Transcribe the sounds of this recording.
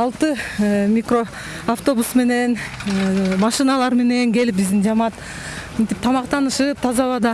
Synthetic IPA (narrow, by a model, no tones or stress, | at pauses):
ɑlˠt̪ɯmʲikro̞ | aft̪o̞busme̞ne̞n | mɑʃɨnɑlˠɑɾme̞ne̞ŋɡe̞lip̚bizd̪ind͡ʒɑmɑt̪ | mint̪ip̚t̪ʰɑmɑqt̪ɑnɯʃɯp̚t̪ʰɑzɑβɑd̪ɑ